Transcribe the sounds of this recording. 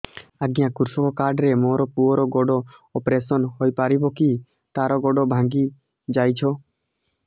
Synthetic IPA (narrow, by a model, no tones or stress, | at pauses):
aɡijãkuɾsɔkɔkaɾɖɾemoɾɔpuɔɾɔɡɔɖɔɔpɾesɔnɦojpaɾibɔki | t̪aɾɔɡɔɖɔbʱãŋɡi | d͡ʒajt͡ʃʰɔ